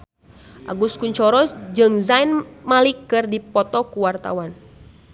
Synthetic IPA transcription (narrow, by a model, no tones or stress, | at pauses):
ʔa̰ɡuskuɲt͡ʃɔɾɔsd͡ʒɨŋzainmalikːɨrdipɔt̪ɔkuwart̪a̰wan